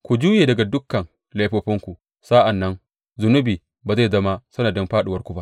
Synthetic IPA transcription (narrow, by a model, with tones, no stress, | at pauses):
kʷu˨d͡ʒuː˦jeː˨dɐ˨ɡa˨dʊ˦kːɐ˨ŋ | la˨˦jɸoː˦ɸɪ˦ŋkʷu˨ | sa˦ʔa˨nːɐ˦ŋ | zʊ˨nʊ˦biː˨ | baː˨za˦˨jzɐ˦ma˦sɐ˦naː˨dɔ˦mɸaː˦ɗu˨wɐ˦rkʷu˨ba˦ʔ